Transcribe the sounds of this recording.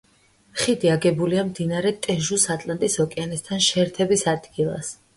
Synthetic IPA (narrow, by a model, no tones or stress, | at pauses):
χid̪iaɡɛbuliamd̪inaɾɛt̪ʼɛʒusat̪ʼlˠant̪ʼisɔkʼɛanɛst̪ʰanʃɛɾt̪ʰɛbisad̪ɡilˠa̰s